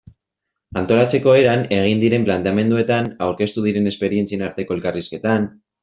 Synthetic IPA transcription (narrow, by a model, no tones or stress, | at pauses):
ant̪o̞lat͡se̞ko̞e̞ɾane̞ɣ̞ind̪iɾe̞mplant̪eame̞nd̪ue̞t̪anawɾke̞st̪uð̞iɾe̞ne̞spe̞ɾie̞nt͡sienaɾt̪e̞ko̞e̞lkariske̞t̪an